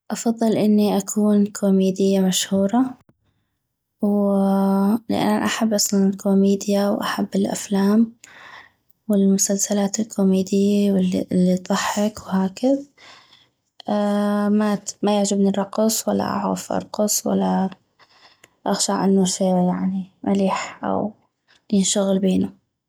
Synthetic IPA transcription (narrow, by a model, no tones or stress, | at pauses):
ʔɑfɑðˤːɨlʔɪnːiʔakʰuːnkʰomeːd̪ɪjːamaʃhuːɾˤɑ | w | lɪ̰ʔa̰nʔaħabːʔɑsˤlɑnɪlkʰoːmiːd̪jawʔa̰ħabːɪlʔa̰flaːm | wɪlmʊsalsalaːt̪ɪlkʰomeːd̪ɪjːawɪlʔlːid̪ˤɑħːɪkwhaːkɪð | ʔmamajaʕd͡ʒɪbniɾˤɑqːɨsˤwalːa̰ʔa̰ʕɾa̰fʔɑ̰ɾˤqɨsˤwa̰lːa | ʔaxʃaʕʔɪ̰nːuʃeːjaʕnimaliːħʔa̰w | jɪnʃaɣɪlbeːnu